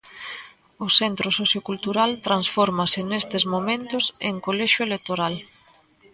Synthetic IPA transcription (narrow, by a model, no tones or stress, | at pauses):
ʊsent̪ɾosoθjokult̪uɾalt̪ɾansfɔɾmasɪnest̪ɪzmomẽnt̪ʊseŋkolɛʃʊelek̚t̪oɾal